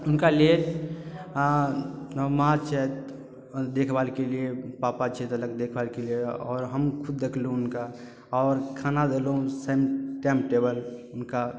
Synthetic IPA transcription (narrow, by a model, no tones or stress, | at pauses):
ʊnkalie | məɦat͡ʃʰɛt̪ | d̪ekʰbalkeliepapat͡ʃʰɛt̪ələɡ̚d̪ekʰbalkelieɔ̰ːɾɦəmkʰʊd̪̚ːekʰluũʊnka | ɔːɾkʰanad̪elɦũsemʈɛ̃mpʈebəlʊnka